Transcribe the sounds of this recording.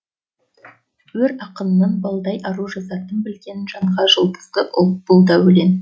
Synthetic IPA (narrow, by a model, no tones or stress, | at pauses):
wɵɾɑqənənːɑnbɑlˠd̪ɑjʔɑɾuʒɑzɑt̪ənbɪlɡʲe̞nɪnʒɑɴʁɑʒəlˠb̪ə̥zd̪əʔʊl̚ˠb̥ʊlˠd̪ɑwɵle̞n